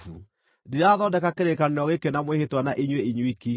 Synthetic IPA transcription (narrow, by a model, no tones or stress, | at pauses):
u | diaðɔndɛkakeɾekaneɾɔɣekenamwehetwanaʔeɲweiɲwiki